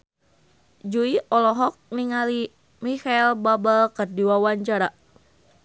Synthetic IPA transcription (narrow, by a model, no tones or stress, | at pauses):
d͡ʒuiʔɔlɔɦɔk̚niŋali | mikailbabəlkərdiwawaɲt͡ʃaɾa